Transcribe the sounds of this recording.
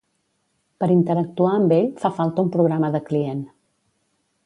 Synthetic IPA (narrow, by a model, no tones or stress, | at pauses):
pəɾint̪əɾək̚t̪uaəmbeʎfafalˠt̪əumpɾuɣɾaməðəklien